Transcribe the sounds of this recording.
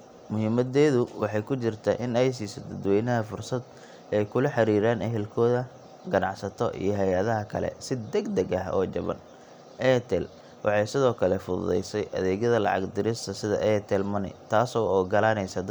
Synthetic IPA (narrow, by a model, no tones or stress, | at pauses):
mʊhɪmɐd̪ɛːðʊwɑħɑjkʰʊt͡ʃɪrt̪ʰɐ̰ʔɪnɛjs̬iːsɔd̪ɐd̪wɛjnɐɦɐfʊrsɐd̪ | ʔɛjkʰʊlɐħɑɾiːɾaːnɛɦɛlkʰɔːðɐ | ɡɐnɑʕsɐt̪ʰɔ̰ʔḭjɞɦɛjɐðɐɦɐkʰɐ̰lɛ̰sɪd̪ɛɡd̪ɛɡɐɦɔ̰ːt͡ʃɐ̰βɐ̰n | ʔɛt̪ʰɛl | wʔɑ̰ħɑjsɪðɔːkʰɐlɛfʊðʊ̰ðɛ̰jsɛjʔɐ̰ðɛːɣjɐðɐlɑ̰ʕɑ̰ɡd̪ɪɾɪst̪ʰɐsɪðɐ̰ʔɛt̪ʰɛlmɐnɪ̰t̪ʰaːsɔːɔːɡɐlaːnɛjsɐd̪